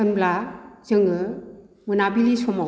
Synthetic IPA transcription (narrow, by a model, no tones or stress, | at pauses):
ɯnblazɯŋɯ | mɯnabilisɔma